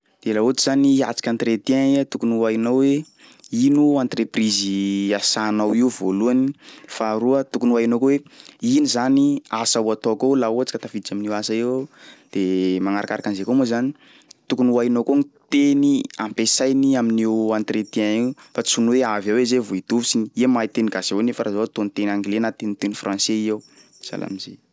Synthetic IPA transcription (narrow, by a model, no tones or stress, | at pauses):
d̪̥elaut͡ʃiz̥ania̰t͡si̥kʲant̪ret̪iaiat̪ukunuajnawwe | inuant̪repriziasanawiuvoluanifaɾuət̪ukunuajnokoweinizaniasawat̪okowlauat͡si̥kat̪afid̪it͡ʃaminiwasaewd̪̥emaŋaɾakaɾakanzekomuzani | t̪ukunuajnokonit̪eniampesajniaminiwãnt̪ret̪iaiufat͡sunuweavawezevoid̪̥uvisiniiamajt̪eniɡasewnefəɾazat̪onit̪enaŋɡlenat̪enit̪enifrãnseiaw | z̥a̰lʔa̰mizḛ